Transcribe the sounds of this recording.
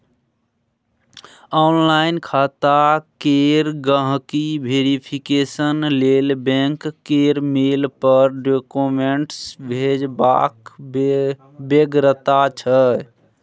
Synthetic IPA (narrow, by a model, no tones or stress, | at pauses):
ɔnlaɪnkʰat̪akeɾɡə̃ɦkibʱeɾipʰikesənlelbẽŋkːeɾmelpəɾɖokomeɳʈsbʱed͡ʒba̰k | beɡɾət̪at͡ʃʰə